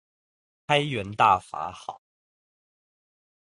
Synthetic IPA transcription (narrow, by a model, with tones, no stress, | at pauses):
kʰa˥ɪɥɛ˧˥nt̪a̰˥˩fa̰˧˥xɑ̰˨˩˦ʊ